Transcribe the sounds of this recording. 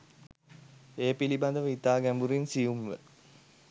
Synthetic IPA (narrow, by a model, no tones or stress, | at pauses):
eːpiliband̪əʋəit̪aːɡæmbuɾinsijumʋə̰